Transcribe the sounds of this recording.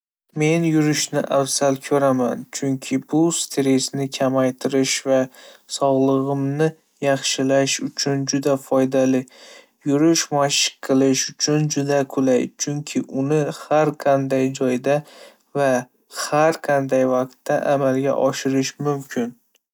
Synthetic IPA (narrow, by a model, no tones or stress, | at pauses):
me̞njʊɾɪʃnɪʔafsalkʲʰɵɾama̰nt͡ʃʰʊŋkʲʰɪbʊst̪ʰeɾesnɪkʲʰamajt̪ʰɪɾɪʃvasɒʁlˠɨʁɨmnɪ | jɑχʃɪlaʃʊt͡ʃʰʊnd͡ʒʊd̪afɒjd̪alɪ | jʊɾɪʃmaʃɪ̥qʰːɨlˠɪʃʊt͡ʃʰʊnd͡ʒʊd̪akʰʊlajt͡ʃʰʊŋkʲʰɪʔʊnɪhaɾqʰɑnd̪ajd͡ʒɒjd̪a | va | haɾqʰɑnd̪ajvaqt̪ːaʔamalɡʲa̰ʔɒʃɪɾɪʃmʊmkʲʰɪn